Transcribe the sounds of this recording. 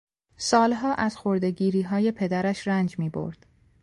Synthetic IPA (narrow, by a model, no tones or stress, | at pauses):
sɒːlɦɒːʔæz̥xo̞ɾd̪e̞ɟiːɾiːɦɒːje̞pʰe̞d̪æɾæʃɾænd͡ʒmiːbo̞̰ɾd̪̥